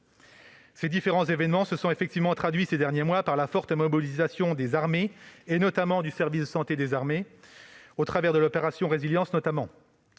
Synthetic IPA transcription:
sed̪ifeʁɑ̃zevɛnmɑ̃səsɔ̃efɛkt̪ivmɑ̃t̪χad̪ɥised̪ɛʁnjemwapaʁlafɔʁt̪əmɔbilizasjɔ̃d̪ezaʁmeːnɔt̪amɑ̃d̪ysɛʁvisd̪əsɑ̃t̪ed̪ezaʁme | ot̪χavɛʁd̪əlɔpeʁasjɔ̃ʁeziljɑ̃snɔt̪amɑ̃

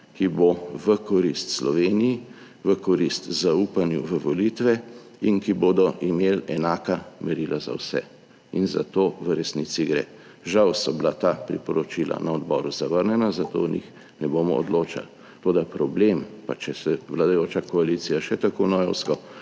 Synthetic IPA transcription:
kiboʋəkɔɾist̪slɔʋeːniji | ʋəkɔɾist̪zaupanjṵʋəʋɔlit̪ʋɛ | inkiboːd̪ɔʔimelɛnaːkamɛɾilʔaza̰wsɛ̰ | inza̰t̪oʋəɾɛsnisiɡɾḛ | ʒawsɔblat̪apɾḭpɔɾɔt͡ʃilʔa̰naɔd̪bɔːɾuzaʋəɾnɛnazat̪o̰nḭx | nɛbomɔɔ̰d̪loːt͡ʃa̰l | t̪oːd̪apɾɔblempat͡ʃɛsɛʋlad̪ajoːt͡ʃakɔalit̪sijaʃɛt̪akonɔjɔwskɔ

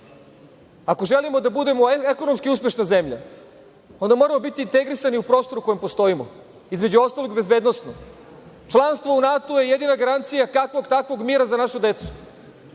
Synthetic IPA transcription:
akoʒelimo̞d̪abud̪e̞moekono̞mskiuspje̞ʃnaze̞mʎa̰ | o̞nd̪amo̞ɾamobit̪iːnt̪e̞ɡɾisaniupɾo̞ːst̪o̞ɾuko̞jempo̞st̪o̞imo̰ | izme̞d͡ʑuo̞st̪alˠoɡbe̞zbeːd̪nosno | t͡ʃlˠanst̪ʋounat̪oje̞jed̪inaɡaɾant̪sijakakʋoɡt̪akʋo̞ɡmiːɾazanaʃud̪e̞t̪su̥

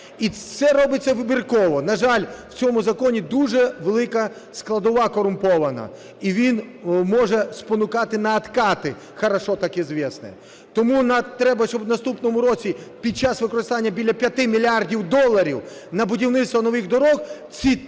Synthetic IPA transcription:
isɛɾɔbɪt͡sʲːɐʋɪbʲirkɔʋɔnɐʒɑlʲw̥t͡sʲɔmʊzɐkɔnʲid̪uʒɛʋelˠɪkɐ | sklˠɐd̪ɔʋɑkɔɾʊmpɔʋɐnɐ̰ | iʋʲinmɔʒɛspɔnʊkɑt̪ɪnɐːt̪kɑt̪ɪ | xɐɾɐʃɔt̪ɑkizʋʲɛsnɛ̰ | t̪ɔmunɐt̪ɾɛbɐʃt͡ʃɔbnɐst̪upnɔmʊɾɔt͡sʲipʲid̪̚t͡ʃɑsʋɪkɔɾɪst̪ɑnʲːɐbʲilʲːɐpʲjɐt̪ɪmʲilʲardʲiwd̪ɔlˠːɐɾʲiw | nɐbʊdʲiwnɪt̪st̪ʋɐnɔʋɪɣd̪ɔɾɔx | t͡sʲi

